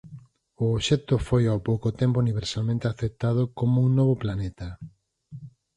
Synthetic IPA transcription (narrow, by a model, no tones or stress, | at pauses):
ʊːʃɛt̪ʊfojawpowkot̪ɛmpouniβeɾsalmẽnt̪eaθet̪að̞ʊkomʊuŋnɔβ̞oplanet̪ɐ